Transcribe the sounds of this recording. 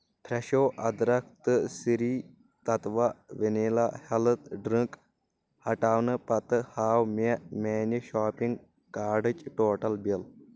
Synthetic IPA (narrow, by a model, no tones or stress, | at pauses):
pʰɾɐʃoːʔɐd̪ɾɐk̚ʰt̪ɨsiɾiː | t̪ɐt̪ʋɐʋiniːlahɐlɨt̪ɖɾiŋk | hɐʈaːwnɨpɐt̪ɨhaːwmemeːniʃaːpĩŋɡ | kaːɖɨt͡ʃʈoːʈɐlbil